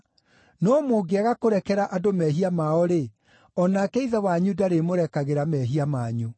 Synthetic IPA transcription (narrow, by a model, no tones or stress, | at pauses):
nɔːmoɡeaɣakoɾɛkɛɾaʔadomɛɦiamaɔɾe | ɔnakɛiðɛwaɲudaɾemoɾɛkaɣeɾamɛɦiamaɲu